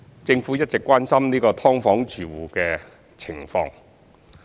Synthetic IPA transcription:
t͡sɪ˧ŋfuː˨˥jɐ˥t̚t͡sɪ˨kʷːwaː˥nsɐ˥mniː˥kɔː˧t̪ʰɔː˥ŋfɔː˨˥ŋt͡ʃyː˨wuː˨˩kɛː˧ | t͡sʰɪ˨˩ŋfɔ̰ː˧ŋ

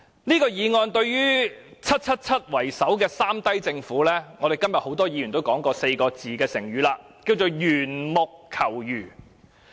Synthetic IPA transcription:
niː˥kɔː˧jiː˨˧ŋɔː˧nt̪ɵ˧ɥjyː˥t͡sʰɐ˥t̚t͡sʰɐ˥t̚t͡sʰɐ˥t̚wɐ˨˩jsɐ˨˥wkɛː˧saː˥mt̪ɐ˥jt͡sɪ˧ŋfuː˨˥lɛː˥ŋɔː˨˧ɾe˨jkɐ˥mjɐ˨t̚ho˨˥wt̪ɔː˥jiː˨˧jy˨˩nt̪o˥wkɔː˨˥ŋkɔː˧se˧jkɔː˧t͡siː˨kɛː˧sɪ˨˩ŋɥyː˨˧laː˧ | ki˧wt͡so˨wjyː˨˩nmʊ˨kʰːɐ˨˩wjyː˨˩

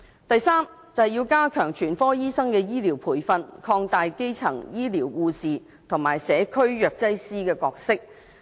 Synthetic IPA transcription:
t̪ɐ˨jsaː˥m | t͡sɐ˨hjiː˧wkaː˥kʰœː˨˩ŋt͡ʃʰyː˨˩nfɔː˥jiː˥sɐ˥ŋkɛː˧jiː˥liː˨˩wpʰuː˨˩jfɐ˧nkʰɔː˧ŋt̪aː˨jke˥jt͡sʰɐ˨˩ŋjiː˥liː˨˩wːuː˧siː˨ | t̪ʰʊ˨˩ŋmaː˨˩jsɛː˨˥kʰɵ˥ɥjœː˨k̚t͡sɐ˥jsiː˥kɛː˧kɔː˧k̚sɪ˥k̚

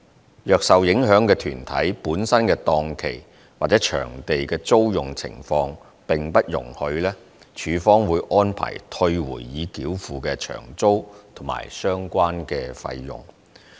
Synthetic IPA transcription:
jœː˨k̚sɐ˨wjɪ˨˥ŋɦœː˨˥ŋkɛː˧t̪ʰyː˨˩nt̪ʰɐ̰˨˥jpuː˨˥nsɐ˥nkɛː˧t̪ɔː˧ŋkʰe˨˩j | waː˨t̚t͡sɛː˨˥t͡ʃʰœ̰ː˨˩ŋt̪e˨jkɛː˧t͡so˥wjʊ˨˩ŋt͡sʰɪ̰˨˩ŋfɔː˧ŋ | pɪ˨˩ŋpɐ˥t̚jʊ̰˨˩ŋhɵ˧ɥlɛː˥ | t͡ʃʰyː˨˧fɔː˥ŋwuː˨˧˥jʔɔː˥npʰa̰ː˨˩jt̪ʰɵ˧ɥwṵː˨˩jːiː˨˧kiː˨˥wfuː˨kɛ˧t͡ʃʰœ̰ː˨˩ŋt͡so˥wt̪ʰʊ˨˩ŋma̰ː˨˩jsœː˥ŋkʷaː˥nkɛː˧fɐ̰˧jjʊ̰˨˩ŋ

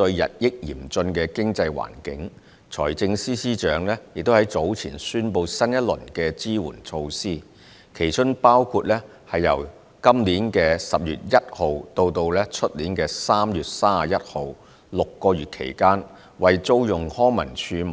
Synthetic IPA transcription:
t̪ɵ˧ɥjɐ̰˨t̚jɪ˥k̚jḭː˨˩mt͡sɵ˧nkɛː˧kɪ˥ŋt͡sɐ˧jwa̰ː˨˩nkɪ˨˥ŋ | t͡sʰɔ̰ː˨˩jt͡sɪ˧ŋsiː˥siː˥t͡ʃœː˨˥ŋlɛː˥jɪ˨k̚t̪whɐ˨˥jt͡so˨˥wt͡sʰḭː˨˩nsyː˥npo˧wsɐ˥njɐ˥t̚lɵ̰˨˩nkɛː˧t͡siː˥wṵː˨˩nt͡sʰo˧wsiː˥ | kʰe˨˩jt͡ʃʰɵ˥ŋpaː˥wkʰuː˧t̚lɛː˥ | hɐ˨jːɐ̰˨˩w | kɐ˥mliː˨˥nkɛː˧sɐ˨p̚jy̰ː˨t̚jɐ˥t̚ho˨wt̪o˧wt̪o˧wlɛ˥t͡ʃʰɵ˥t̚liː˨˥nkɛː˧saː˥mjyː˨t̚saː˥a˨jɐ˥t̚ho˨˧w | lʊ˨kːɔː˧jyː˨˩t̚kʰḛ˨˩jkaː˥n | wɐ˨jt͡so˥wjʊ˨˩ŋhɔː˥ŋmɐ̰˨˩nt͡ʃʰyː˧m

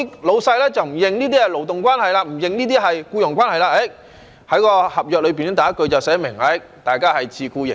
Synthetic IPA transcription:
lo˨˧wsɐ˧jlɛː˥t͡sɐ˨wm̩˨˩jɪ˨ŋniː˥t̪̬iː˥ɐ˨˩lo˨˩wt̪ʊ˨ŋkwaː˥nhɐ˨jlaː˧m̩˨˩jɪ˨ŋniː˥t̪̬iː˥ɦɐ˨jkuː˧jʊ˨˩ŋkʷwaː˥nhɐ˨jlaː˧a˨˦˥ | hɐ˨˥jkɔː˧hɐ˨p̚jœː˨k̚lɵ˨˧ɥp̬iː˨nɛ˥t̪aː˨˦˥kɵ˧ɥt͡sɐ˨˩wsɛː˨˥mɪ˨˩ŋa˨˥ | t̪aː˨jkaː˥hɐ˨jt͡sʰiː˧kuː˧jɪ̰˨˩

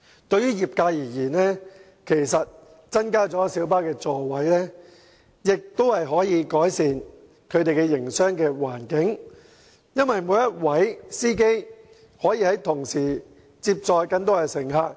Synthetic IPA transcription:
t̪ɵ˧ɥyː˥jiː˨p̚kaː˧jiː˨˩jiː˨˩nlɛː˥ | kʰe˨˩jsɐ˨t̚ | t͡sɐ˥nkaː˥t͡sɔː˨˥siː˨˥wpaː˥kɛː˧t͡sɔː˨˧wɐ˨˥jlɛː˥ | jɪ˨k̚t̪o˥whɐ˨jɦɔː˨˥jiː˨˧kɔː˨˥jsiː˨˧n | kʰɵ˨˧ɥt̪e˨jkɛ˧jɪ˨˩ŋsœː˥ŋkɛː˧waː˨˩nkɪ˨˥ŋ | jɐ˥nwɐ˨jmoː˨˧˥jɐ˥t̚wɐ˨˥jsiː˥k̬e˥j | hɔː˨˥jiː˧hɐ˨˥jt̪ʰʊ˨˩ŋsiː˨˩ | t͡siː˧p̚t͡sɔː˧jkɐ˧nt̪ːɐ˨˩sɪ˨˩ŋɦaː˧k̚

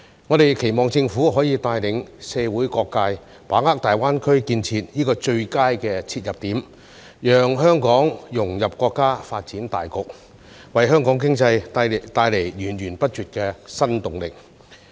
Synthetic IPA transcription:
ŋɔ˨˧ɾe˨jkʰe˨˩jmɔː˨˩ŋt͡sɪ˧ŋfu˨˥ɦɔː˨˥jiː˨˧t̪aː˧jlɪ˨˥ŋsɛː˧wuː˨˥jkɔː˧kːaː˧j | paː˨˥ŋaː˥k̚t̪aː˨jwaː˥nkʰɵ˥ɥkiː˧nt͡sʰiː˧t̚jiː˥kɔː˧t͡ʃɵ˧ɥkaː˥jkɛː˧t͡sʰiː˧t̚jɐ˨p̚t̪iː˨˥m | jœː˨ŋɦœː˥ŋkɔː˨˥ŋjʊ˨˩ŋjɐ˨p̚kʷɔː˧kːaː˥faː˧t̚t͡siː˨˥nt̪a̰ː˨jkʊ˨k̚ | wɐ˨jɦœː˥ŋkɔː˨˥ŋk̬ɪ˥ŋt͡sɐ˧jt̪aː˧jle˨˩jjyː˨˩njyː˨˩npɐ˥t̚t͡ʃyː˨t̚kɛː˧sɐ˥nt̪ʊ˨ŋlɪ˨k̚

